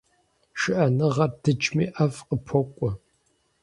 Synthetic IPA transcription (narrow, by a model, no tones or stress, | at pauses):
ʃɪʔɐnɨʁɐrdɨt͡ʃʼmḭːʔɐfqəpʰɔkʷʼɔ